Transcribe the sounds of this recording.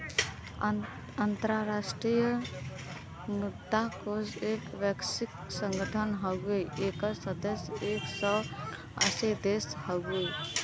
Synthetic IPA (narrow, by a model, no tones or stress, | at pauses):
ant̪ɾaɾasʈɾijə | mud̪akod͡ʒekʋeksiksəŋɡəʈʰənɦəɡeekəsəd̪əseksə | ə̰sed̪eshəɡu